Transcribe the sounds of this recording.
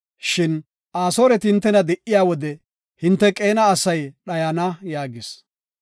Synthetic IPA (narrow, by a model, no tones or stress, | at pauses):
ʃɪn | ʔaːso̞ːɾɛt̪ɪhɪnt̪ːɛnɐd̪ɛʔːɪjaːwɔd̪ɛ | hɪnt̪ːɛkʼe̞ːnɐːsɐjɗɐjanɐjaːɡɪs